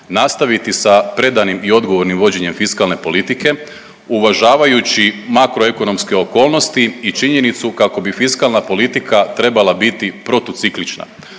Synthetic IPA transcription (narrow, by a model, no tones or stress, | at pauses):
nast̪aʋit̪isapɾe̞d̪animio̞d̪ɡo̞ʋo̞ɾnimʋo̞d͡ʑe̞ɲe̞mfiskalˠne̞po̞lit̪ike̞ | uʋaʒaːʋajut͡ɕimakɾoe̞ko̞no̞mske̞o̞ko̞ːlˠno̞st̪iit͡ʃiɲe̞nit̪sukako̞bifiskalˠnapo̞lit̪ikʰat̪ɾe̞balˠabit̪ipɾo̞t̪ot̪siklit͡ʃna̰